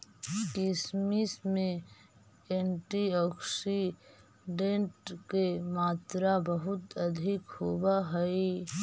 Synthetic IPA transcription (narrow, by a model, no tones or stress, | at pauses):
kismismẽ | eːɳʈiɔːksi | ɖẽɳʈkemaːt̪ɾabəɦʊt̪əd̪ʱɪkhoːbaɦɛi